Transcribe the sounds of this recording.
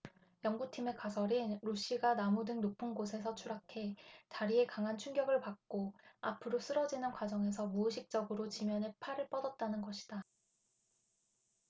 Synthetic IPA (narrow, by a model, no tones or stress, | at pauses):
jʌŋɡutʰime̞kasʰʌɾinɾoɕ͈iɡanamudɯŋnopʰunɡosʰe̞s̬ʰʌt͡ɕʰuɾakʰe̞t͡ɕaɾie̞kaŋɦant͡ɕʰuŋɡjʌɡɯɭpak̚k͈oapʰɯɾos͈ɯɾʌd͡ʑinɯnkwad͡ʑʌŋe̞s̬ʰʌmuːɕʰik̚t͡ɕ͈ʌɡɯɾot͡ɕimjʌnepʰaɾɯɭp͈ʌdʌt̚t͈anɯnɡʌɕʰi̥d̥a